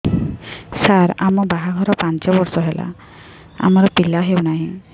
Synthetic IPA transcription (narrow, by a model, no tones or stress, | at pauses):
saɾa̰mɔbaɦaɡʱɔɾɔpant͡ʃɔbɔɾsɔɦela̰ | a̰mɔɾɔpilaɦewnaɦĩ